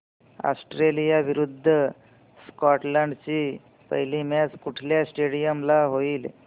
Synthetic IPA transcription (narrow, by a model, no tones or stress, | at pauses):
a̰sʈɾelijaʋiɾud̪ʱːə | skɔʈləɳɖt͡ɕiː | pə̰ɦilimat͡skuʈʰljasʈeɽijəmlaɦoiːl